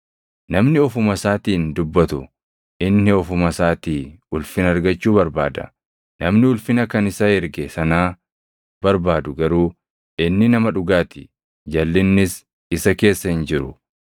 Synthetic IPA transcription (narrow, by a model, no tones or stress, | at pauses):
nɐmnɪɔfʊmɐsaːt̪iːnd̪ʊbːɐt̪ʊ | ʔɪnːɪɔfʊmɐsaːt̪iː | ʊlfɪnɐɾɡɐt͡ʃːuːbɐɾbaːd̪ɐ̰ | nɐmnɪʊlfɪnɐkɐnɪsaːhɪɾɡesɐnaː | bɐɾbaːd̪ʊɡɐɾuː | ɪnːɪnɐmɐᶑʊɡaːt̪ɪ̥ | d͡ʒɐlːɪnːɪs | ɪsɐke̞ːsːɐhɪnd͡ʒɪɾʊ